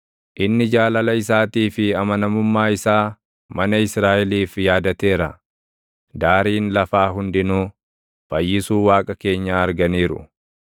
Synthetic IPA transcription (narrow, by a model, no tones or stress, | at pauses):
ʔɪnːɪd͡ʒaːlɐlɐɪs̬aːt̪iːfɪɐmɐnɐmʊmːaːɪsaː | mɐnɐɪsɾaːʔɛliːfjaːd̪ɐt̪e̞ːɾɐ̰ | d̪aːɾiːnlɐfaːɦʊnd̪ɪnuː | b̥ɐjːɪsuːwaːkʼɐke̞ːɲːaːɐɾɡɐniːɾʊ̰